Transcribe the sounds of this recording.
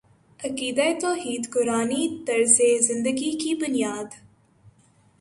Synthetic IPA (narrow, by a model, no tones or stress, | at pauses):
ɐkiːd̪aet̪ɔːɦiːd̪kʊɾaːnid̪ɐɾzezɪ̃nd̪əɡikibʊnijaːd̪